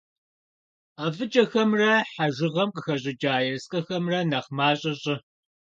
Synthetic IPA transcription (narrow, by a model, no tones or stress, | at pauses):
avɨt͡ʃʼɐxɐmrɐħaʒɪʁɐmqəxɐʑʼɪd͡ʒʼaːjɛsqʼɐxɐmrɐnɐχmaːɕʼɐɕʼɪ